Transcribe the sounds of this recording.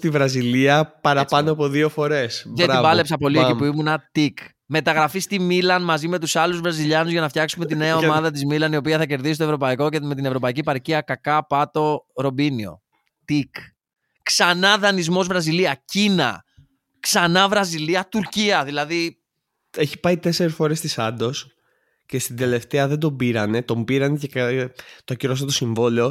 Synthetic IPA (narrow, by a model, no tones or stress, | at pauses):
t̪ivɾɐziliɐpɐɾɐpɐnoɐpo̞ðio̞fo̞ɾe̞sðeivɐle̞psɐpo̞liepuimunɐt̪ik | me̞t̪ɐɣɾɐfist̪imilɐnmɐzime̞t̪usɐluzvɾɐziʎɐnuzʝɐnɐft̪ʰçɐksume̞t̪ineɐo̞mɐðɐt̪̬izmilɐniopiɐθɐce̞ɾðisist̪oevɾo̞pɐiko̞eme̞t̪ine̞vɾo̞pɐiciepɐɾciɐkɐkɐpɐt̪o̞ɾo̞binio̞̰ | t̪ik | ksɐnɐðɐnizmo̞zvɾɐziliɐcinɐ̰ | ksɐnɐvɾɐziliɐt̪uɾciɐðilɐði | e̞çi̥pɐit̪e̞se̞ɾesfo̞ɾe̞st̪isɐnd̪o̞s | ce̞st̪ind̪e̞le̞ft̪e̞ɐðed̪o̞biɾɐne̞t̪o̞mbiɾɐnecekt̪oɐciɾos̬ɐt̪o̞siɱvo̞lio̞